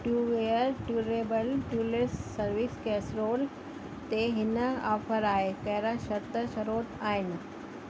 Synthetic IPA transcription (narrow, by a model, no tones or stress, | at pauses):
ʈuːʋeəɾʈuːɾeːbəlʈuːlesːəɾʋiskɛːsɾoːl | t̪eɦɪnəafʰəɾaːekɐɦɾaʃɐt̪ːəʃəɾoːt̪aːɪn